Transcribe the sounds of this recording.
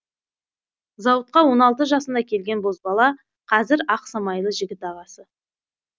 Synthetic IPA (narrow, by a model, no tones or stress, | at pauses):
zɑwət̪̚qɑwo̞nɑlˠt̪̬əʒɑsənd̪ɑkʲʰe̞lɡʲe̞nbo̞zbɑlˠɑ | qʰɑzɪɾɑqsɑmɑjlˠəʒɪɡʲɪt̪ɑʁɑsə